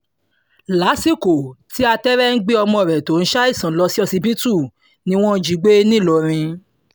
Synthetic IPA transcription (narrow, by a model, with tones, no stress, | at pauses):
la˨˦si˦˨ko˨ti˨˦a˧tɛ˦ɾɛ˦n̩˦ɡ͡bi˦ɔ˧mɔ̃˧˨ɾɛ˨to˨˦ñ̩˦ʃa˦i˦˨sã˨lɔ˧si˦ɔ˧si˧bi˦tu˦˨ | nĩ˧˦w̃ɔ̃˦˧˦d͡ʒi˧˦ɡ͡be˦nĩ˦˨lɔ˧˨ɾ̃ĩ˧